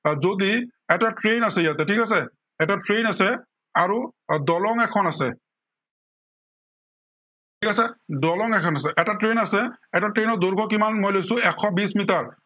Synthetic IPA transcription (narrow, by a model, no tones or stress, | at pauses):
zodiɛtatɹejnasɛjatɛtʰikasɛ | ɛtatɹejnasɛ | aɹudɔlɔŋɛkʰɔnasɛ | tʰikasɛdɔlɔŋɛkʰɔnas̬ɛʔɛtatɹejnasɛɛtatɹejnɔd̪oɹɡʰʱɔkimanmojlojsʊ̃ɛkʰːɔbismitaɹ